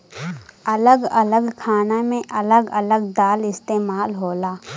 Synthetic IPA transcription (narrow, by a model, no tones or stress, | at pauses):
ɐləɡɐləɡkʰaːnamẽʔɐləɡɐləɡ̚d̪aːlɪst̪eːmaːlɦoːlaː